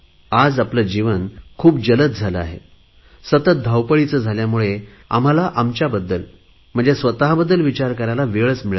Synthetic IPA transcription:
ad͡zapləd͡ʑiʋənkʰuːp̚d͡ʑələt̪̚d͡zʱaləa̰ɦḛ | sət̪ət̪̚d̪ʱawpəɭit͡səːd͡zʱaljamuɭe | a̰m̤alaʔamt͡ɕjabəd̪ːəl | m̤əɳd͡zesʋət̪aɦbəd̪ːəlʋit͡ɕaɾkəɾalaʋeɭət͡smiɭ

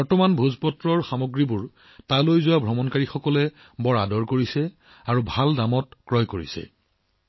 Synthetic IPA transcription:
bɔɹtɔmanbʱuzpɔtɹɔɹxamoɡɹibuɹ | talojzʊwabʱɹɔmɔnkaɹixɔkɔlɛ | bɔɹadɔɹkoɹisɛ | aɹubʱaldamɔtkɹɔjkoɹḭsɛ̰

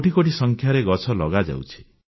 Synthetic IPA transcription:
oʈikoʈisɔŋkʰjaɾeɡɔt͡ʃʰɔlɔɡad͡ʒa̰wt͡ʃʰi̥

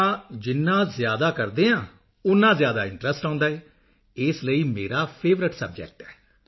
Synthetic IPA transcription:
aːd͡ʒɪnːãːzjaːd̪aːkəɾd̪eːãː | ʊnːãːzjaːd̪aːɪɳʈɾəsʈãʊ̃nd̪aːɛː | ɪsləiːmḛːɾaːpʰeːʋɾɪʈsəb̚d͡ʒɛ̰k̚ʈɛː

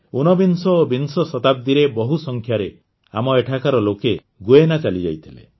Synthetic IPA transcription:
unɔbinsɔːbinsɔsɔt̪ab̚d̪iɾebɔɦusɔŋkʰjaɾe | amɔeʈʰakaɾɔloke | ɡuenat͡ʃalid͡ʒa̰jt̪ʰilḛ

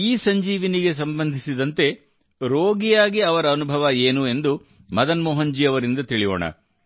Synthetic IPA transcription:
iːsɐɲd͡ʒiːʋiniɡe̞s̬ɐmbɐnd̪ʱisid̪ɐnt̪e̞ | ɾoːɡijaːɡiɐʋɐɾɐːnubʱɐʋɐeːnue̞nd̪u | mɐd̪ɐnmɔːɦɐɲd͡ʒiːɐʋɐɾind̪ɐt̪iɭijo̰ːɳɐ̰

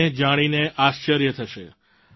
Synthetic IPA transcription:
ed͡ʒaɽ̃ineʔaʃt͡ʃəɾjət̪ʰəʃe

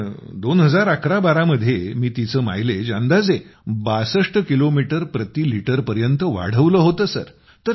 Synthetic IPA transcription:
d̪onɦəd͡zaɾakʰɾabaɾaməd̪ʱːjemiːt̪it͡səːma̰jled͡ʑand̪ad͡zebasəʂʈəkilomiʈəɾpɾət̪iːliʈəɾpəɾjənt̪əʋa̰ɽ̤əʋləːɦot̪əːsə̰ɾ | t̪əɾ

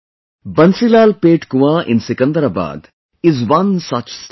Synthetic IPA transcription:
bɐ̃nsilaːlpeːʈkuʋãʔɪ̰̃nsikɐ̃nd̪əɾaba̰ːd̪ | izʋɐ̃nsɐt͡ʃs

